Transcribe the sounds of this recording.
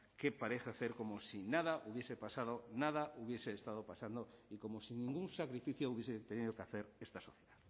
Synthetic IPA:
kepaɾeθaθeɾkomosinaðaʔuβje̞sepasað̞onað̞auβjeseːst̪að̞opasand̪oikomosinĩŋɡuŋsakɾifiθjouβ̞jeset̪eniðokaθeɾest̪asoθjeðað

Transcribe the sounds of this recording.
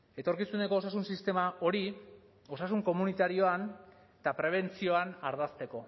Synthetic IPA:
e̞t̪o̞ɾkisune̞ko̞ːsasunsist̪e̞maʔo̞ɾi | o̞sasuŋko̞munit̪aɾio̞an | t̪apɾe̞β̞e̞nt͡sio̞anaɾðast̪e̞ko̞

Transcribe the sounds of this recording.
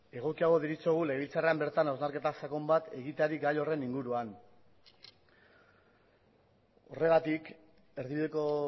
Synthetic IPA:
e̞ɣ̞o̞kiaɣ̞o̞ðiɾit͡soɣ̞uleβilt͡sareambe̞ɾt̪anawzmaɾke̞t̪asako̞mbat̪e̞ɣit̪eaɾiɡajo̞re̞niŋɡuɾuan | o̞re̞ɣat̪ik | e̞ɾðiβiðeko̞

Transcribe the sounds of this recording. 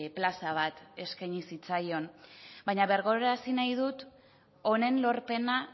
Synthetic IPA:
plasaβ̞at̪e̞skajɲisit͡sajo̞nbajɲaβe̞ɾɣo̞ɾeɾasinajðut̪ | o̞ne̞nlo̞ɾpe̞na

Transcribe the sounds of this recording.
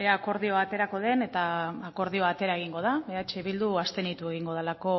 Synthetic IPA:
eaːko̞ɾðio̞at̪e̞ɾako̞ð̞e̞ne̞t̪aːko̞ɾðio̞at̪e̞ɾae̞ɣ̞iŋɡo̞ð̞aβe̞at͡ʃeβ̞ild̪uast̪e̞nit̪ue̞ɣ̞iŋɡo̞ð̞elako̞

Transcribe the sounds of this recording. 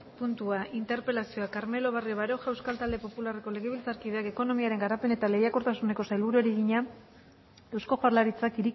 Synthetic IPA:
punt̪uaʔint̪e̞ɾpe̞lasio̞akaɾme̞lo̞βarioβaɾo̞ʝaewskalt̪ald̪e̞po̞pulare̞ko̞le̞ɣeβ̞ilt͡saɾkiðe̞ake̞ko̞no̞miaɾe̞ŋɡaɾape̞ne̞t̪ale̞jako̞ɾt̪asune̞ko̞sajlβuɾueɾiɣiɲa | e̞wsko̞xoaɾlaɾit͡sakiɾi

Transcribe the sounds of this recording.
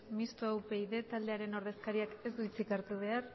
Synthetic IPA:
mist̪oawpe̞jðe̞t̪ald̪e̞aɾe̞no̞ɾð̞e̞skaɾiakezd̪uit͡sikaɾt̪uβ̞e̞ar

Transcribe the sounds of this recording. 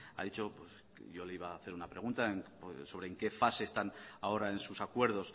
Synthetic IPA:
a̰ðit͡ʃo̞pwes | ʝo̞leiβaːθe̞ɾunapɾe̞ɣ̞unt̪aeŋ | so̞βɾe̞ːŋke̞fase̞ːst̪anao̞ɾae̞nsusakwe̞ɾð̞o̞s

